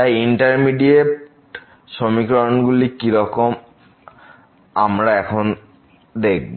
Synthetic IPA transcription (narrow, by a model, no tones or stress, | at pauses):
ajiɳʈaɾmiɖieʈ | ʃomikɾonɡulikiɾɔkom | amɾaɛkʰon | d̪ek̚bo